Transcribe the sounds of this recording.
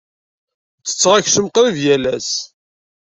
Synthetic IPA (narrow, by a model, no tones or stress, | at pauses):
t͡sːə̥t͡sːʁaçsəmqɾivjælæs